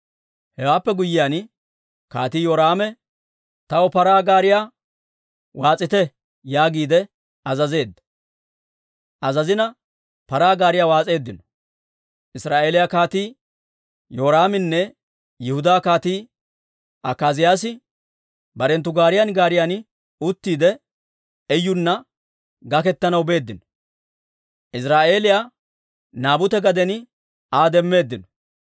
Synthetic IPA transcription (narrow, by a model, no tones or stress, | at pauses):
hɛwaːpːɛɡʊjːɪjan | ka̰ːt̪iːjoːɾaːmɛ | t̪ɐwɔpɐɾaːɡaːɾɪjaː | waːt͡sʼɪt̪ɛ | jaːɡiːd̪ɛ | ɐzɐze̞ːd̪ːɐ̥ | ʔɐzɐzɪnɐ | pɐɾaːɡaːɾɪjaːwaːt͡sʼe̞ːd̪ːɪnɔ | ʔɪsɾaːʔe̞ːlɪjakaːt̪iː | joːɾaːmɪnːɛ | jɪhʊd̪aːkaːt̪iː | ʔɐkaːzɪjaːs̬ɪ | bɐɾɛnt̪ːʊɡaːɾɪjɐnɡaːɾɪjan | ʊt̪ːiːd̪ɛ | ɛjːʊnːɐ | ɡɐkɛt̪ːɐnɐwbe̞ːd̪ːɪnɔ | ʔɪsɾaːʔe̞ːlɪjaː | naːbʊt̪ɛɡɐd̪ɛnɪ | aːd̪ɛmːe̞ːd̪ːɪnɔ̥